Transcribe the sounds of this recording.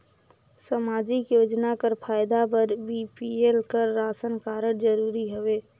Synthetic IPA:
səmaːd͡ʒɪkjoːd͡ʒnakəɾpʰaːjd̪apəɾbipielkəɾːaːsənkaːɾəɽd͡ʒəɾuːɾiɦoʋeː

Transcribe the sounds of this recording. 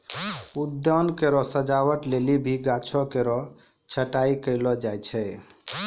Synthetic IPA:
ud̪jɔnkeɾɔsəd͡ʒawəʈlelibʱiɡat͡ʃʰɔkeɾɔ | t͡ʃʰəʈaikəlɔd͡ʒajt͡ʃʰɛ

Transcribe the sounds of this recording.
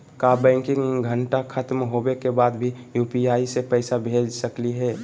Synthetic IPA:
kabɛ̃ːŋkɪ̃ŋɡʱə̃ɳʈakʰət̪mɦobekebaːd̪bʱijuːpiaːisepəɪsabʱed͡ʒsəkliɦɛː

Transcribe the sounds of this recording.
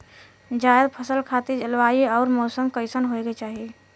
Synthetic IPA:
d͡ʒajəd̪pʰəsəlkʰat̪id͡ʒəlʋaiɔːɾmɔːsəmkəɪsənɦoeɡet͡ʃaɦi

